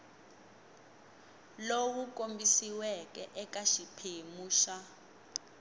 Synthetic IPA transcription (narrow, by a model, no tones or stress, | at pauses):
lowuk̬ʼombisiwɛkʼɛʔɛkaʃipʰemuːʃa